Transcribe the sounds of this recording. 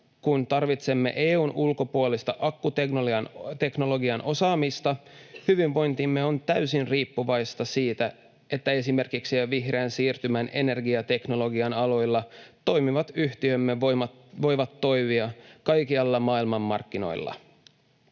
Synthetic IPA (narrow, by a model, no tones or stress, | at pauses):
kunt̪ɑrʋit̪se̞mːe̞̰ʔeːuːnulko̞puolist̪ɑʔɑkːut̪ekoɑnt̪e̞kno̞lo̞ɡiɑnʔo̞sɑːmist̪ɑhyʋiʋʋo̞jnt̪imːe̞o̞nt̪æɥysinriːpːuʋɑjst̪ɑsiːt̪æ | e̞t̪ːæe̞sime̞rkiksiæʋiɦreːnsiːrt̪ymæne̞ne̞rɡiɑt̪e̞kno̞lo̞ɡiɑnɑlo̞jlːɑt̪o̞jmiʋɑt̪yht̪iømːeomɑ | ʋo̞jʋɑt̪ːo̞jʋiɑkɑjkiɑlːɑmɑːilmɑmːɑ̰rkːino̞̰jlːɑ̰